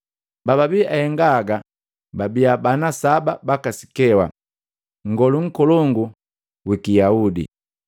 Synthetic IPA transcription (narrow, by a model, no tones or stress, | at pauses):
baβabiahɛŋɡaɡa | babiabanasababakasi̥kɛwa̰ | ŋ̩ɡɔluŋ̩kɔlɔŋɡu | wikijaudḭ